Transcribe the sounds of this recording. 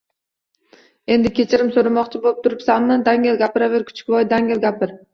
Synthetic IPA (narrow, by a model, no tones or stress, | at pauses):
e̞nd̪ɪkʲʰe̞t͡ʃʰɪɾɪmsoɾamɒqt͡ʃʰɪbolˠɪp̚t̪ʰʊɾɪpsamːɪnd̪aŋʲelˠɡʲapɪɾavɪɾkʲʰʊ̥t͡ʃʰɪ̥kʲvɒjd̪aŋʲelʲɡʲapɪɾ